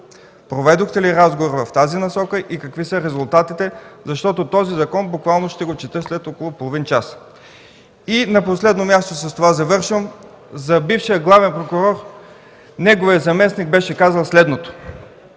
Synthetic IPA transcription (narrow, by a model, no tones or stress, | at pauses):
pɾovɛd̪oxt̪ɛliɾazɡovoɾvɐft̪azinɐsɔkəʔikɐkvisəɾɛzʊlˠt̪at̪it̪ɛzɐʃt̪ɔt̪ot̪ɔzizɐkɔnbʊkvalˠnoʃt̪ɛɡot͡ʃɛt̪əslɛt̪ɔkolˠopolˠovint͡ʃas | inɐposlɛd̪nomʲjast̪osɐst̪ovazɐvɤɾʃvəm | zɐbifʃiəɡlˠavɛnpɾokuɾɔɾ | nɛɡovijəzɐmɛsniɡbɛʃɛkazəlˠslɛd̪not̪o̥